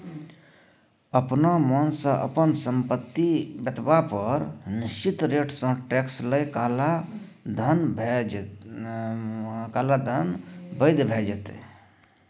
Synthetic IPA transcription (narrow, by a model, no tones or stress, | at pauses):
əpnamənsə̃ʔə̰pənsəmpət̪ːibət̪bapəɾniʃt͡ʃit̪ɾeʈsə̃ʈɛksləjkala | d̪ʱənbʱ | kalad̪ʱənbəɪd̪bʱed͡ʒɛt̪ḛ